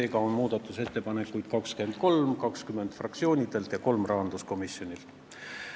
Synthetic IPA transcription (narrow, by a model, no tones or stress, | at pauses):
e̞ːɡɑonmuːd̪̥ɑt̪ːˑuse̞t̪ːe̞pɑne̞kːujd̪̥kɑkske̞nd̪̥̚ko̞lmkɑkskyme̞nd̪̥frɑkt̪sio̞ːnʲid̪̥e̞lt̪jɑko̞lmrɑɦɑnd̪usko̞misjo̞nʲilt̪